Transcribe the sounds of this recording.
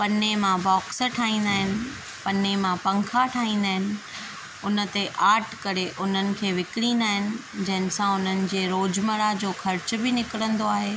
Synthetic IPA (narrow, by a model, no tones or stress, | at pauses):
pɐnemãbɔːksʈʰaːĩːnd̪aːɦɪnɪ̆ | pɐnemãpɐ̃ŋkʰaʈʰaːɦĩːn̆d̪aːɦɪnɪ̆ | ʊnə̆t̪eʔaːʈʰkɐɾeʔʊn̤ənɪ̆kʰeːʋɪkɪɽĩːnd̪aːɦɪnɪ̆d͡ʑɐ̃ɦɪ̃nɪsãʊn̤ənɪ̆d͡ʑeːɾoːd͡ʑməɽad͡ʑoːxɐɾt͡ɕʊ̆bɪnɪkɪɽə̃nd̪oaːɦeː